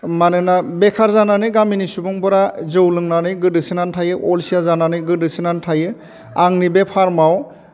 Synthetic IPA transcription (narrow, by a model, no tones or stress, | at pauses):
manɯnabekʰaɾzananɯjɡaminisubuŋbɯɾazɯwlɯŋnanɯjɡɯdɯsɯnantʰajɯʔɔlsijazananɯjɡɯdɯsinantʰajɯ | aŋnibepʰaɾmaw